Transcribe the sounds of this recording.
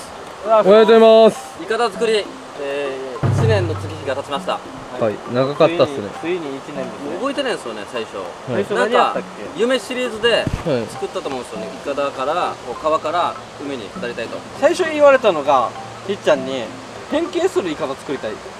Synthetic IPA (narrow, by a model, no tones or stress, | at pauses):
aoeeimas | ikat̪azɨkɯ̟ɾʲi | eːit͡ɕinẽ̞nːo̞t͡sɨkʲiçʲiɡat̪at͡ɕimaɕi̥t̪a̰ | haainaɡakat̪ːanḛsɨiɲiːinẽnd̪eobo̞it̪e̞nãsɨjone̞̰saiɕo̞̰ | aonãŋkaa | ejɯ̟me̞ɕiɾʲiːzɨd̪e̞t͡sɨ̥kɯ̟t̪ːat̪omõsɨjonḛʔikat̪akaɾako̞ːkaβakaɾa | jɯ̟meɲ̟ḭnaɾʲit̪ait̪osaiɕo̞iβaɾe̞t̪ano̞ɡa | çʲit͡ɕːãɲ̟ːi | hẽ̞ŋke̞ːsɨɾɯ̟ikat̪at͡sɨ̥kɯ̟ɾit̪ai